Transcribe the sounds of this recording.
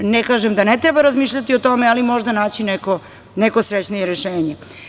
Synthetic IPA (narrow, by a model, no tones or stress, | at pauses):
nekaːʒemd̪anet̪ɾebaɾazmiːʃʎat̪io̞t̪o̞mealimo̞ʒd̪anaːt͡ɕineko | nekosɾet͡ɕnijeɾeʃeːɲe